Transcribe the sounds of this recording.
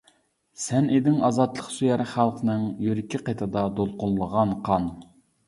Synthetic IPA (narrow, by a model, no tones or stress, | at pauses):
sɛned̪ɪŋɑzɑt̪lˠəqsyjɛɾχælˠqənɨŋjyɾɪkʲʰiqet̪ʰɨd̪ɑd̪olˠqʊlˠlːˠəʁɑnqʰɑn